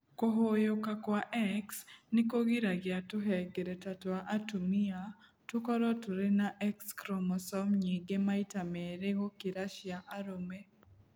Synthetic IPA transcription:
koɦojokakwaʔɛksnɪkoɡiɾaɡɪatʊɦɛɡeɾetatwaʔatumia | tukɔɾɔtuɾenaʔɛkskɾɔmɔsɔmɲiɡemaitamɛɾeɣokiɾaʃjaʔaɾome

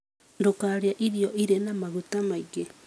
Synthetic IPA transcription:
ndokaɾjaʔiɾijoʔiɾenamaɣutamaiɣe

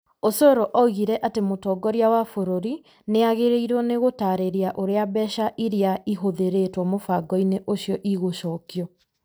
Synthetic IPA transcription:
osɔɾɔʔɔɣiɾɛʔatemotɔɡɔɾjawafoɾoɾi | neaɣeɾeiɾɔneɣotaɾeɾeaʔoɾeabɛʃaʔiɾeaiɦoðeɾetwɔmofaɡɔineʔoɕjɔʔiɣoʃɔːkjɔ

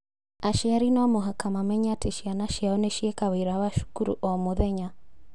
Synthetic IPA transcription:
aʃiaɾinaɔmoɦakamamɛɲateʃianaʃiaɔneʃiekaweɾaβaʃu̥kuɾṵʔɔmoðɛɲa

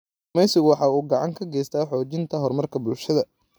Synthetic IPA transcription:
mɛjsɪɣʊwɑħɑːuːɡɑʕɑŋkʰɐɡɛjst̪ʰaːħɔːt͡ʃɪnt̪ʰɐɦɔrmɐrkʰɐbʊlʃɐðɐ

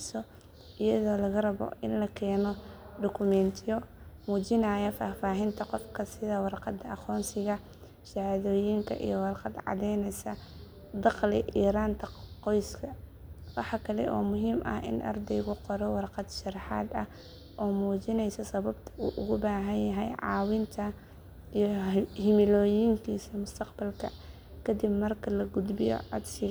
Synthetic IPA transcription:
sɔ | ʔɪjɐðɔːlɐɣɐrɐβɔ̰ʔɪ̰nlɐkʰɛːnɔɖ̪ɔkʰʊmɛnt̪ʰjɔmuːt͡ʃɪnɐːjɐfaːfaːɦɪnt̪ʰɐqɔfkʰɐsɪðɐwɑrqɑd̪ɐɑqɔːnsɪɣɐ | ʃɑʕaðɔːjɪŋkʰɐ̰ʔḭjɔwɑrqɑd̪ʕɑ̰ðɛjnɛjsɐ | d̪ɑqlɪʔiːɾaːnt̪ʰɐqɔjskʰɐwɑħɑkʰɐlɛ̰ʔɔ̰ːmʊɦiːmʔɐ̰hʔɪ̰nʔɐ̰rd̪ɛjɣʊqɔɾɔwɑrqɑd̪ʃɑrħɑ̰ːd̪ɐh | ʔɔːmuːt͡ʃɪnɛjsɐsɐβɐbt̪ʰɐ̥uːʔʊɣʊbaːɦɐnjɐɦɛjʕɑ̰ːwɪnt̪ʰɐ | ijhɪmɪlɔːjɪŋkʰiːsɐmʊst̪ʰɐqbɐlkʰɐ̰ | kʰɐd̪ɪbmɐrkʰɐlɐɡʊd̪bɪjɔ̰ʕɑ̰d̪sɪ

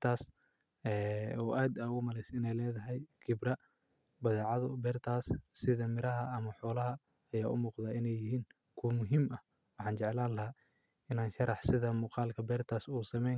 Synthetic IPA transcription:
t̪ʰaːs | ɛːɔːʔaːd̪ɐɣʊmɐlɛjsɪnɛjlɛːðɐɦɛjkʰɪbrɐ | bɐðɛːʕɑðʊbɛːrt̪ʰaːsːɪðɐmɪɾɐɦɐɐmɐħɔːlɐɦɐ | ɐjaːʔʊ̰muːqðaːɪnɛjɪɦiːŋ | kʰumʊɦiːmɐ | wɑħɑːnt͡ʃɛʕlaːnlɐɦa | ɪnaːnʃɐɾɑħsɪðɐmuːqɑːlkʰɐbɛːrt̪ʰaːsuːsɐmɛjŋ

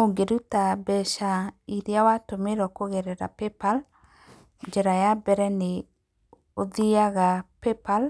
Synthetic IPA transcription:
oɡeɾutabɛʃaiɾjawatomeɾɔkoɣeɾɛɾa̰pepal | ɲd͡ʒɛɾajabɛɾɛne | oðiaɣapepal

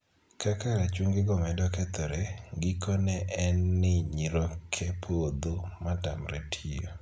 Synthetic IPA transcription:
kʰakaɾat͡ʃwuŋɡɪɡɔmɛdɔkɛt̪ɔɾɛɡikɔnɛʔɛnːɪɲiɾokʰepʰod̪omata̰mretʰijo̰

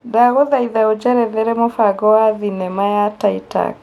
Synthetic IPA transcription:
daɣoðaiðaod͡ʒɛɾɛðɛɾɛmofaɡɔaðinɛmajataita̰

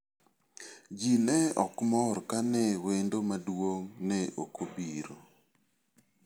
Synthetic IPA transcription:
d͡ʒinɛɔkmɔrkanɛwendomadwoŋnɛʔokobiɾo

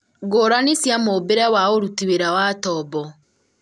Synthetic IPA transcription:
ɡoːɾanisjamobeɾɛwaoɾutiweɾawatɔbɔ

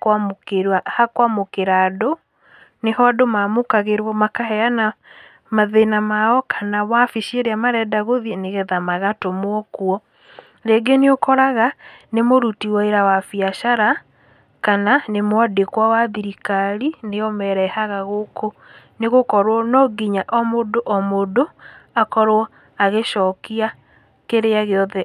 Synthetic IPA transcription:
akwamokeɾwahakwamokeɾado | nehɔadomamokaɣeɾwɔmakaɦɛana | maðenamaɔkʰanawafiʃieɾeamaɾɛdaɣoðineɣɛðamaɣatomoɔkuɔ | ɾeɡeneokɔɾaɣanemoɾutiwɔeɾawafiaʃaɾa | kananemwadekwawaðiɾikaɾineɔmɛɾɛhaɣaɣokʰo | neɣokɔɾwɔnɔɡiɲaʔɔmodoʔɔmodoakɔɾwɔ | aɣeʃɔːkia | keɾeaɣeɔðɛ

